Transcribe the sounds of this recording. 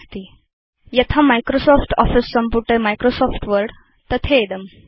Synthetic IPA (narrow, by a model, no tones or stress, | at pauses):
st̪i | jət̪ʰamajkɾosɔfʈɔ̰fisːəmpuʈemajkɾosɔfʈʋəɾɽ | t̪ət̪ʰeːd̪əm